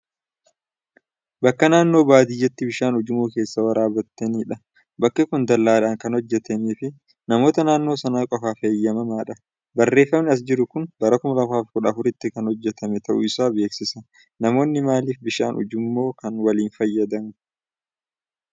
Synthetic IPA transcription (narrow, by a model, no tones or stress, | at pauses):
bɐkːɐnaːnːo̞ːbaːd̪ɪjːɛt̪ːɪbɪʃaːnʊd͡ʒɪmoːke̞ːsːɐwɐɾʔaːbɐt̪ːɐniːᶑɐ | bɐkːɐkʊnd̪ɐlːaːlaːŋkɐnhɔd͡ʒːɛt̪ɐmeːfɪ | nɐmo̞ːt̪ɐnaːnːoːsɐnaːkʼɔfaːfejːɐmɐmaːᶑɐ | bɐrːe̞ːfːɐmnɪɐs̬d͡ʒɪɾʊkʊnbɐɾɐkʊmɐlɐfaːfkʊᶑɐːfʊɾɪt̪ːɪkɐnhɔd͡ʒːɛt̪ʰɐmɛt̪ɐʔʊɪsaːbe̞ːksɪsɐ | nɐmo̞ːnːɪmaːliːfbɪʃa̰ːnʊ̰d͡ʒɪmːo̞ːkɐnwɐliːnfɐjːɐd̪ɐmʊ